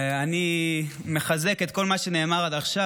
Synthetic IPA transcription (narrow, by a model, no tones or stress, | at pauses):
ani | meχazeke̞t̪̚ko̞lmaʃe̞ne̞ːmaʁad̪aχʃa